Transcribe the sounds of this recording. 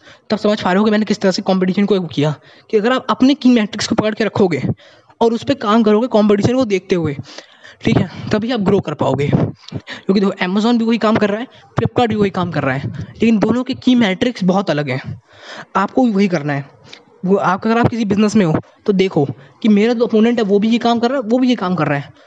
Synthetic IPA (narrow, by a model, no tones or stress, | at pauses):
t̪ɐbsɐmaːd͡ʒfʰaːɾɦokimɛːnekɪsi̥t̪ɐɾasekɔ̃ːmpɪʈiːʃənkoeːkijaː | kiɐɡəɾaːpɐpnekiːmɛːʈɾɪkskopɐkəɽkeɾɐkʰoːɡeː | ɔːɾʊspekaːmkɐɾoːɡekɔːmpɪʈiːʃənkod̪eːk̚ʰt̪eɦueː | ʈʰiːkat̪ɐbʱiaːp̚ɡɾoːkɐɾpa̰ːo̰ːɡeːkjõːk̬id̪eːkʰoʔɛːmaːzɔːnbʱiʋɐɦikaːmkɐɾːaɦɛː | pɾɪp̚kaːɖbʱiʋɐɦikaːmkɐɾːaɦɛːleːkɪnd̪oːnõkekiːmɛːʈɾɪksbɔɦɔt̪ɐləɡɦɛ̃ː | aːp̚koiʋɐɦikɐɾnaɦɛː | aːp̚kaɡəɾaːp̚kɪsibɪznəsmẽɦoː | t̪od̪eːkʰoːkimeːɾad͡ʒoɐpoːnẽɳʈɦɛʋobʱijekaːmkɐɾːaɦɛʋobʱijekaːmkɐɾːaɦɛː